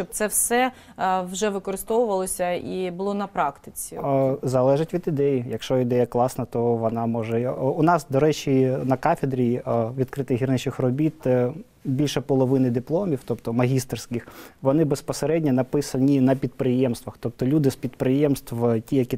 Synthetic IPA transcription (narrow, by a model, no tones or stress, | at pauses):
t͡ʃɔb̚t̪sɛwsɛ | wʒɛʋɪkɔɾɨst̪ɔʋʊʋɐlˠɔsʲɐibʊlˠɔnɐpɾɑkt̪ɪt͡sʲizɐlˠɛʒɪtʲʋʲid̪ɪd̪ɛjijɐkʃt͡ʃɔɪd̪ɛjɐklˠɑsnɐt̪ɔʋɔnɑmɔʒɛʊnɑsd̪ɔɾɛt͡ʃinɐkɑfʲed̪ɾʲiʋʲid̪̚kɾɪt̪ɪɦʲirnɛt͡ʃɪxrɔbʲit̪ | bʲilʲʃɛpɔlˠɔʋɪnɪd̪ɪplˠɔmʲiwt̪ɔpt̪ɔmɐɦʲist̪rsʲkɪxʋɔnɪbespɔseɾɛdʲnʲɐnɐpɪsɐnʲinɐp̬ʲid̪̚pɾɪjɛmst̪ʋɐxt̪ɔp̚t̪ɔlʲud̪ɪspʲid̪pɾɪjɛmst̪ʋtʲijɐkʲi